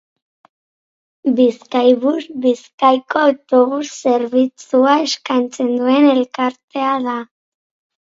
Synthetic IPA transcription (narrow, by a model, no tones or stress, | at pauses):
biskajβuzβiskajko̞awt̪o̞β̞usːe̞ɾβit͡suae̞skajnt͡se̞nd̪ue̞ne̞lkaɾt̪e̞aða